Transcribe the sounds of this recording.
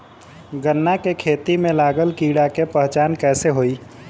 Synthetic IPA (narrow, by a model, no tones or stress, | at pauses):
ɡənːakekʰet̪imelaɡəlkiɽakepəɦt͡ʃankɛseɦoi